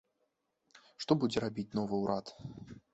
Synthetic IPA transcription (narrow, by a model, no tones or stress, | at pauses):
ʂt̪ɔbud͡zʲɛɾabʲit͡sʲnɔvɨwɾʔat̪